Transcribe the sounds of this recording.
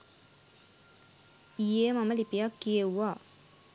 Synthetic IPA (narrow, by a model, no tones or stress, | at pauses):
ijemaməlipijakːijewːaː